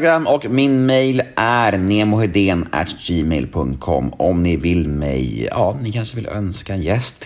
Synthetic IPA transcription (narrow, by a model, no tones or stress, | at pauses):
ɡɾamːɔkmɪnmɛjlʔæɾneːmʊhɛd̪eːnʔæ̰t̪d͡ʒiːmɛjlpʰɵŋt̪̚kʰɔ̰mːɔmnɪvɪlmɛ̰jjɑ̰ːnɪkʰanʂəvɪlœ̰nskaɛnjɛst̪